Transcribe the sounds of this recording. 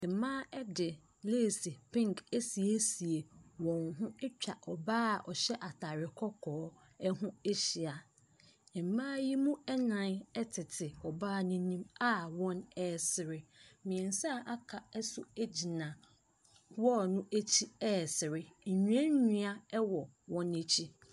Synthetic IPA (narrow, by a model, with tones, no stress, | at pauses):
ɛ̃˨˦mãː˦ɛ˦dɪ˨ | leː˦˨si˨pʰɪ̃˦ŋke˦si˨e˦si˨e˨wɔ̃˨ŋɦʊ̃˦ɛ˦t͡ɕᶣa˨ʔɔ˨baː˦˨ʔɔ˨ɕɛ˦ʔa˨tʰa˨ɾɪ˨kʰɔ˦kʰɔː˨˦ | ɛ˦ɦʊ̃˦e˦ɕi˨a˨ | ɛ̃˨m˨mãː˦ji˦mũ˦ɛ˦nã˨nɛ˦tʰɪ˨tʰɪ˨ɔ˨baː˦nʊ̃˦ɲĩ˦ma˦wɔ̃˦nɛː˦˨sɪ˨ɾɪ˦mɪ̃˨ɛ̃˨n˨sa˦˨ʔa˦kʰa˨ɛ˦sʊ˨e˦d͡ʑi˨nã˨ | wɔ˦˨nʊ̃˦e˦t͡ɕʰi˦ɛː˦˨sɪ˨ɾɪ˦˨ɲᶣũ˨˦ɛ̃˦ɲũ˦a˦ɛ˦wɔ˨ | wɔ̃˦ne˨t͡ɕʰi˦